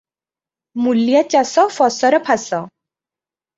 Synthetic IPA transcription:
muljat͡ɕasɔfɔsɔɾɔpʰasɔ

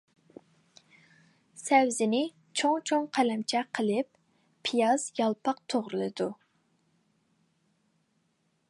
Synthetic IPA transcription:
sɛwzɪnɪ | t͡ʃʰoŋt͡ʃʰoŋqʰælɛmt͡ʃʰɛqʰəlˠɨpːʰ | ijɑzjɑlˠpʰɑqt̪ʰoʁɾɨlˠɨd̪u

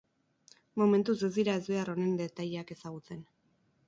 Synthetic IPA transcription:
mo̞me̞nt̪use̞zd̪iɾae̞zbe̞aro̞ne̞nd̪e̞t̪aʎake̞saɣ̞ut͡se̞n

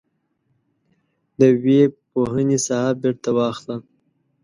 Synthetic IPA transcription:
d̪əwepoɦənesahabɪɾt̪awɑxla

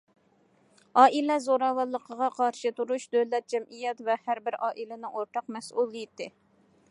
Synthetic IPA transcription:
ɑːʔilɛzoɾɑwɑlˠːəqʰəʁɑqʰɑɾʃɨt̪uɾuʃd̪øwlɛt̪̚d͡ʒɛmʔijɛt̪vɛhæɾbɪɾʔɑːʔilɪnɪʔoɾt̪ɑqmɛsʔulˠːijit̪ʰːɪ

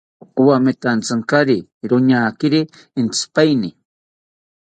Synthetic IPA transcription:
uwamet̪ant͡saŋkaɾiɾʊɲaːkɪɾiː | nt͡spajni

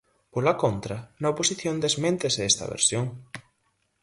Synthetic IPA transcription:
polɐkont̪ɾɐnɐoposiθjond̪ezmẽnt̪eseest̪ɐ̰βḛɾsjoŋ

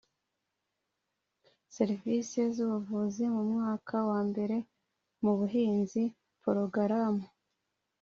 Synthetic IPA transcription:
se̞ɾivisezuβuvuzimumŋaːkʰawaːmbe̞ɾe̞ | muβuɦiːnzi | poɾoɡaɾamu

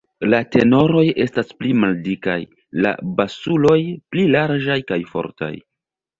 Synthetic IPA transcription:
late̞no̞ɾo̞je̞stasplimaldika̰j | la̰basulo̞jplilaɾd͡ʒajkajfo̞̰ɾta̰j

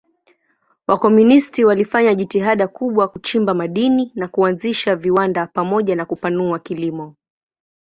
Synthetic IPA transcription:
wakɔmunistiwalifaɲaʄitiɦaɗakuɓwakut͡ʃimbamaɗininakuanziʃaviwandapamɔʄanakupanuakilimɔ

